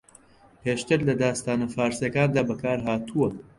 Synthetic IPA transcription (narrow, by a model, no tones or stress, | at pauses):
peːʃt̪ɨɾlɐd̪aːst̪aːnɐfaːɾsɐkaːnd̪aːbɐkaːɾɦaːt̪ʰuɐ